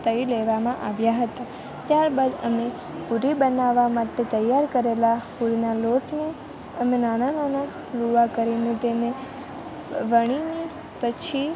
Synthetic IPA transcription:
t̪əileʋamãʔaʋjaɦət̪a | t̪jaɾbad̪ə̰me | puɾibənaʋamaʈet̪əjːaɾkəɾelapuɾnaloʈne | əmenañanana | luʋakəɾinet̪ene | ʋəɽ̃ini | pət͡ʃʰi

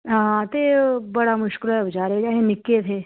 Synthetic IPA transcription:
ɦãːt̪ebɐɽamʊʃkɪlɦɛbɐd͡ʒaːɾed͡ʒaːɦẽnɪkːet̪ʰeː

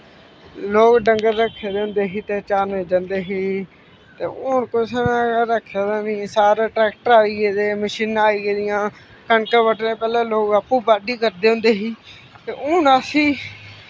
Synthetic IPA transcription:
loːkɖəŋɡəɾːəkʰːeːd̪eʊ̃nd̪eːɦiːt̪eːt͡ʃaːneːd͡ʒãːnd̪eːɦiː | t̪ḛːʊːnkʊsnaːɾəkʰːaːd̪aniãːsaːɾeːʈɾɛːk̚ʈəɾaːiːɡeːd̪eːməʃiːnaːiːɡeːd̪ɪjãː | kəɳkəʋəʈnẽːpɛːlẽːloːɡəpːũːbaːɖiːkəɾd̪eːɦʊ̃nd̪eːɦiː | t̪eːʔʊːnaːsĩː

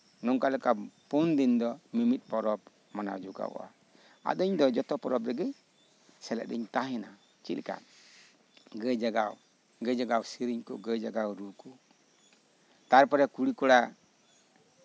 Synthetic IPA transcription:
nɔŋkalɛkapɔndindɔmimit̪̚pɔɾɔp̚ | mana̰wd͡ʒuɡa̰a̰ | a̰dɔɲdɔd͡ʒɔt̪ɔpɔɾɔp̚ɾɛɡɛ | sɛlɛ̰ʔ̚dɛ̰ɲt̪aɦɛna | t͡ʃḭlka̰t̚ | ɡəd͡ʒaɡaw | ɡɛd͡ʒaɡawsiɾiɲkṵɡəd͡ʒaɡawɾuku | t̪aɾpɔɾakuɽikuɾa

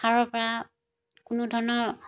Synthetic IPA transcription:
aɹɔɹpɔɹa | kʊnʊdʱɔɹɔnɔɹ

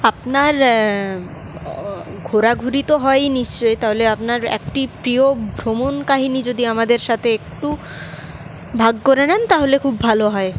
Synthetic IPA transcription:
apnaɾ | ɡʱoɾaɡʱuɾit̪oɦɔeniʃt͡ɕojt̪aɦoleapnaɾḛk̚ʈipɾiobʱɾomonkaɦinid͡ʑod̪iamad̪eɾʃat̪ʰeek̚ʈu | bʱaɡkoɾenent̪aɦolekʰubːʱaloɦɔe

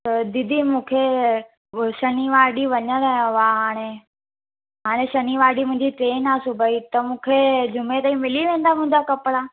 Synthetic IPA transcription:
t̪ɐd̪ɪd̪ʱimũːkʰe | ʃɐniʋaːɗiʋɐɲəɾɐɦjõʋaɦaːɽ̃e | ɦaːɽ̃eʃɐniʋaːɖimʊ̃ɦɪ̃ɲd͡ʑiʈɾeːnasʊbʱait̪ɐmũːkʰed͡ʑʱʊmet̪aːĩmɪliʋẽːn̆d̪amʊ̃ɦɪ̃ɲd͡ʑakɐpɽa

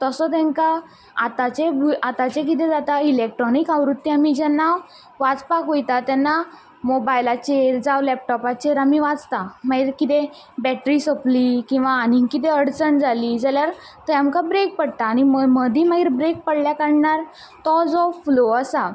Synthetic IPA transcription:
t̪əsɔt̪ɛ̃ŋka | at̪at͡ɕebʱuat̪at͡ɕek̬it̪ɛd͡zat̪ailek̚ʈɾɔnikaʋɾut̪ːiamid͡ʑɛnːa | ʋad͡zpakojt̪at̪ɛnːa | mobajlat͡ɕeɾd͡zaʋlɛp̚ʈɔpat͡ɕeɾamiʋad͡zt̪amaɡiɾkit̪e | bɛʈɾisəplikĩw̃ʋaːniŋkit̪̬eəɽt͡səɳd͡zaliːd͡zaljaɾ | t̪əamkabɾek̚pəɽt̪aːñiməd̪ʱiːmaɡiɾbɾek̚pəɽljakəɽɳaɾ | t̪ɔd͡zɔfloəsa

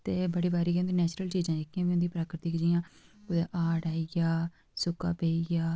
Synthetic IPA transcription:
t̪eːbəɽiːbaːɾiːkːʊnd̪iːnɛːt͡ʃɾəlt͡ʃiːzãːd͡ʒɪkʰːijãːʋiːʊ̃nd̪iːpɾaːkɾɪt̪iːkd͡ʒiːjãːʊd̪eːʔaːɽaːiaː | sʊka̰ːpeːiaː

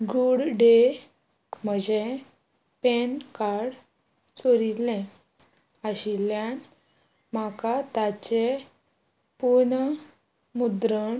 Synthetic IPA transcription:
ɡuɽɖe | m̤əd͡ʑe | penkaɽ | t͡soɾilẽ | əɕiljan | m̤akat̪at͡ɕe | pun | mud̪ɾəɳ

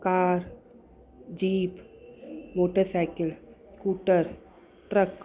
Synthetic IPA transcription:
kaːɾ | d͡ʒiːp | moːʈəɾsajkɪlskuːʈəɾ | ʈɾək

